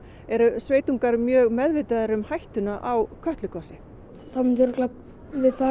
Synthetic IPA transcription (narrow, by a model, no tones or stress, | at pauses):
ɛɾʏsveːjt̪uŋkaɾmjœːɣmɛðvɪːt̪aðɛɾʏmhajht̪ʏnaʔawkʰœht̪lʏkɔsɪ | θamɪnʏɾklap | vɪðfaː